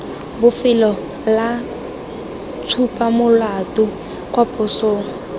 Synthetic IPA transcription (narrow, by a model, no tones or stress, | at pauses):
bʊfɪlɔ | la | t͡sʰupʼamʊlatʼʊ | kʼwapʰʼʊsoːŋ̩